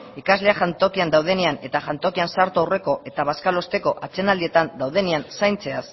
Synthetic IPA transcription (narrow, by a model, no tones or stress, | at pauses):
ikazle̞aʝant̪o̞kiand̪awð̞e̞neane̞t̪aʝant̪o̞kiansaɾt̪uawre̞ko̞ʔe̞t̪aβ̞askalo̞st̪e̞ko̞ʔat͡se̞nald̪ie̞t̪and̪awð̞e̞neansajnt͡se̞as